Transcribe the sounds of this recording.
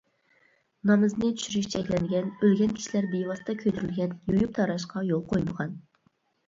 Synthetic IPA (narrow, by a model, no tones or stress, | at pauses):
nɑmɨznɨt̪ʰy̥ʃyɾyʃt͡ʃʰɛkʲlɛnɡʲɛnølɡʲɛnkʲʰi̥ʃilæɾd̪ejwɑst̪ɑkʲʰøt̪ʰyɾylɡʲɛnjojup̚t̪ʰɑɾɑʃ̬qʰɑjolˠqʰojməʁɑn